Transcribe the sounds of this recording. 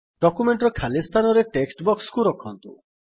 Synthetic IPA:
ɖɔkumeɳʈɾɔkʰalist̪ʰanɔɾeʈeksʈbɔkskuɾɔkʰɔnt̪ṵ

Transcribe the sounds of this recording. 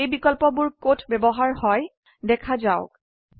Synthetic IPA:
ejbikɔlpɔbʊɹkotʰbɛbɔɦaɹhɔj | dɛkʰazaʊk

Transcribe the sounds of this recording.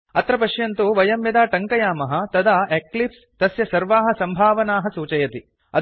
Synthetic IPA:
ɐt̪ɾɐpɐʂjɐnt̪uʋɐjɐmjɐd̪aːʈɐŋkɐjaːmɐɦɐ̆t̪ɐd̪aːʔeklips | t̪ɐsjɐsɐɾʋaːɦɐ̆sɐmbʱaːʋɐnaːɦɐsuːt͡ʃɐjɐt̪i | ɐ̰

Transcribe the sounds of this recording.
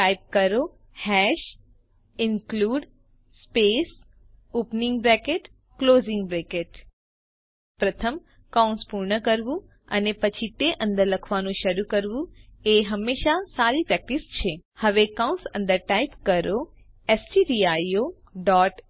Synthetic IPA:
ʈajp̚kəɾo | hɛʃ | ɪnkluɖ | spes | upnĩŋɡbɾɛkeʈ | klozɪ̃ŋɡbɾɛkeʈ | pɾət̪ʰəm | kãw̃nspuɾɳəkəɾʋũ | ənepət͡ʃʰit̪eʔə̃nd̪əɾləkʰʋanũʃəɾukəɾʋũeɦəmːeʃasaɾipɾɛk̚ʈist͡ʃʰehəʋekaũnsə̰̃nd̪əɾʈajpkəɾo | esʈiɾiajo | ɖɔʈ

